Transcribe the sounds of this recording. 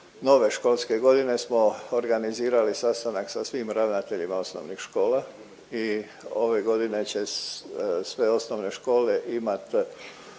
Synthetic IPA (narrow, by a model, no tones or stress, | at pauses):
no̞ʋe̞ʃko̞lˠske̞ɡo̞d̪ine̞smo̞oɾɡaniziːɾalisast̪anaksasʋimɾaʋnat̪e̞ʎimaosno̰ʋnixʃko̞ːla | i | o̞ʋe̞ɡo̞d̪ine̞t͡ɕe̞ | sʋeo̞snoʋne̞ʃko̞ːle̞ʔimat̪